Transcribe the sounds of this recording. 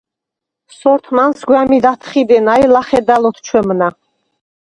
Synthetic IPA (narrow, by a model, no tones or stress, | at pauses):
sɔɾt̪ʰmansɡwamid̪at̪ʰχid̪ɛnajlaχɛd̪alɔt̪ʰt͡ʃʰwɛmna